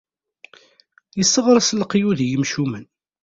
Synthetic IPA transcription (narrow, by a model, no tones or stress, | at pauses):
əsːəʁɾˤəslqjuðjəmʃumən